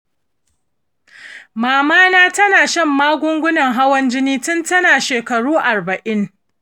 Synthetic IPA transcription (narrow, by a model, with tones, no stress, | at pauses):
maː˨maː˦naː˦tɐ˦naː˨ʃɐ˦˨mːaː˦ɡʷʊ˦ŋɡʷʊ˦nɐ˨ŋɦa˦wɐ˦nd͡ʒɪ˦niː˦tʊ˦ntɐ˦naː˨ʃeː˨kɐ˨ɽuː˦ʔa˨rbɐ˨ʔɪ˦ŋ